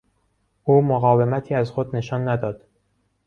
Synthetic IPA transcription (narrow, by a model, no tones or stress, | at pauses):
ʔuːmoɣɒːve̞mæt̪ʰiːæzxod̪ne̞ʃɒːnːæd̪ɒːd̪̥